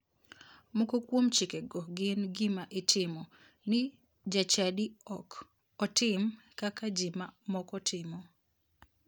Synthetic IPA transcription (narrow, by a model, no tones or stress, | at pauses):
mokokwomt͡ʃikɛɡɔɡɪnɡɪmaʔɪtʰɪmɔ | nɪ | d͡ʒat͡ʃadiɔk | ɔtɪm | kakad͡ʒɪmamɔkɔtʰɪmɔ